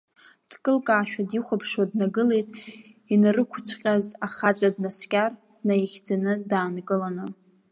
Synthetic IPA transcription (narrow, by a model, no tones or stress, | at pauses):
d̥kʼɨlkʼaːʃᶣadiχʷapʰʂwadnaɡɨle̞jtʼ | inarɨkʷʰt͡sʷʰqʲʼazaχat͡sʼadnaskʲʼar | najiχʲd͡zanɨdaːnkʼɨlanɨ